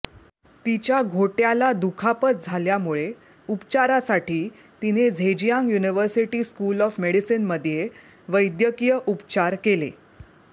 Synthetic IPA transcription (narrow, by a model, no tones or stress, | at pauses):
t̪it͡ɕjaɡʱoʈjalad̪ukʰapət̪̚d͡zʱaljamuɭe | upt͡ɕaɾasaʈiː | t̪ined͡zʱed͡ʑijãŋɡjuniʋəɾsiʈiːskulɔfmeɽisinməd̪ʱje | ʋəjd̪jəkijəʔupt͡ɕaɾkelḛ